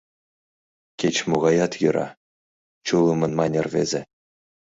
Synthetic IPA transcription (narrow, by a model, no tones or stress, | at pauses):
kʲet͡ɕmuʁɑjɑt̪jɯ̆ɾʔɑ̰ | t͡ɕulˠɯmɤ̆nmɑnʲɤ̆rvʲḛzʲɘ̆